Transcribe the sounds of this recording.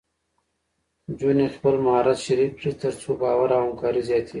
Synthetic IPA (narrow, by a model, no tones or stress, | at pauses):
d͡ʒunexpəlmaːɾat̪ʃɐɾif̚ɾit̪ɐɾt͡suːbaːwaɾaɦamkaːɾizjaːt̪ʰi